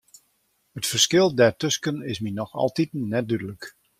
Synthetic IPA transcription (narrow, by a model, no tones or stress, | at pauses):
hətfərskɪlˠdɛrtɵskənɪsminɔxɑ̰lˠtitnɛt̚dydələk